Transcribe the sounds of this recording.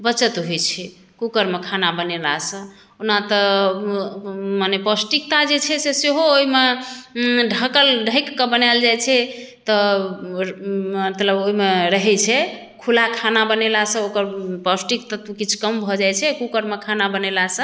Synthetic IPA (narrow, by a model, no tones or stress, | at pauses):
bət͡ʃət̪ɦojt͡ʃʰɛ | kukəɾmekʰanabənelasə̃ | unat̪ə | manepɔsʈikt̪ad͡ʒet͡ʃʰɛseseɦoːime | ɖʱəkəlɖʱəjkːəbənajld͡ʒajt͡ʃʰɛ | t̪ɔ | ət̪ləboimeɾəɦɛt͡ʃʰɛ | kʰulakʰanabənelasə̃okəɾpəsʈik̚t̪at̪kit͡ʃʰu̥kəmbʱɔd͡ʒajt͡ʃʰɛkukəɾmekʰanabənelasə̃